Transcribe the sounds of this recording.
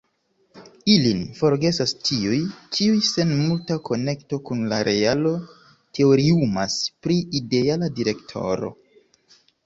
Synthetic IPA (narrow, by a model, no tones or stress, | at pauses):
ilinfo̞ɾɡe̞sastiujt͡ʃiujse̞nmultako̞ne̞kto̞kunlaɾʔe̞alo̞ | te̞o̞ɾiumaspɾiide̞aladiɾe̞ktʰo̞̰ɾo̞̰